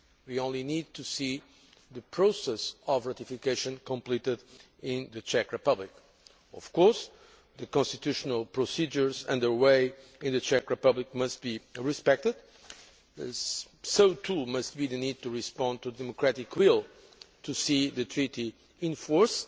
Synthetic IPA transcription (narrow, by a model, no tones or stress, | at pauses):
wiõʊ̃nlinid̪̚t̪usi | ðɨpʰɹosɛsɔvɹat̪ifikeɪʃə̃nkɔ̃mplitɪd | ɪ̃nðɨt͡ʃɛkɹɨpʌblɪk | ɔ̰v̥kɔɹs | ðɨkɔ̃nst̪it̪uʃɔnəlˠpɹosid͡ʒə˞zɨ̰̃nðə˞weɪ | ɪ̃nðɨt͡ʃɛkɹɨpʌblikmʌst̪̚b̥iɹispɛk̚t̪ɨd̪ | soʊt̪ʰumʌst̪̚biðɨnid̪̚t̪uɹispɑ̃nd̚t̪udɛmɔkɹætɪkʰwilˠ | t̪ʰusiðɨt̪ʰɹiti | ɪ̃nfɔɹs